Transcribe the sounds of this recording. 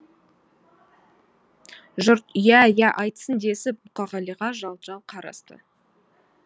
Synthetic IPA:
ʒʊɾt̪jæjæʔɑjt̪ə̥sənd̪e̞sɪp̚mʊqɑʁɑlˠiʁɑʒɑlˠʒɑlˠqʰɑɾɑ̰st̪ə̰

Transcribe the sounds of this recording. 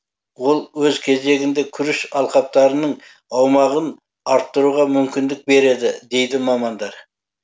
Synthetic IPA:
wo̞lˠwɵzkʲʰe̞ze̞ɡʲɪnd̪e̞kʲʰʏɾɪʃɑlˠqɑp̚t̪ɑɾənəɴ | ɑwmɑʁən | ɑɾt̪ːəɾuʁɑmʏmkʲɪnd̪ɪk̚be̞ɾe̞d̪ɪd̪e̞jd̪ɪmɑmɑnd̪ɑɾ

